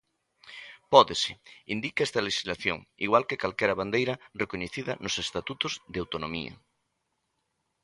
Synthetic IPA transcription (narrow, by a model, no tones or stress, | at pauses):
pɔðesɪind̪ikaɛst̪ɐleʃizlaθjo̰ŋḭɣwalkekalkɛɾɐβand̪ejɾɐrekoɲeθiðɐnosest̪at̪ut̪ʊzðawt̪onomḭɐ̰